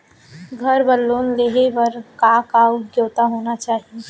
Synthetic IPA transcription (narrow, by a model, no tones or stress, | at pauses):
ɡʱɐɾbɐlːoːnleːɦeʋɐɾkaːkaːɡjoːt̪aɦoːnat͡ʃaːɦie